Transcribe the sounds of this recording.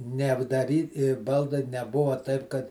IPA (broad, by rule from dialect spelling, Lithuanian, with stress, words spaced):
nʲɛɐbdɐˈrʲiː ˈbɐlˠdɐɪ nʲɛˈbʊʋɐ tɐɪp kɐt